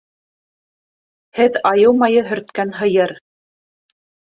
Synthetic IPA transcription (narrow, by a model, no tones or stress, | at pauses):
hɘðɑjɤwˠmɑjɤɦɵ̆ɾt̪kænɦɤ̆jɤɾ